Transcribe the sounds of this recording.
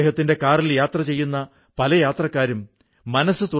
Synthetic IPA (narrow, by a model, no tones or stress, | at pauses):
ɦɐt̪ːinde̞kaːriljaːt̪rɐt͡ɕe̞jːunːɐ | pɐlɐjaːt̪rɐkːaːɾumː | ɐnɐsːɨt̪u